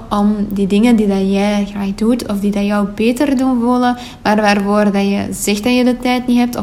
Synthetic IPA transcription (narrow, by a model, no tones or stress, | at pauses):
ʔɔmdidɪŋəndidɑnjɛɣraːxdutʰɔfdidɑjœwbeːtərdunʋulˠə | ʋaːrʋaːrvoːrdɑjə̰zɛxdɑjədətɛjtniɦɛp̚tɔ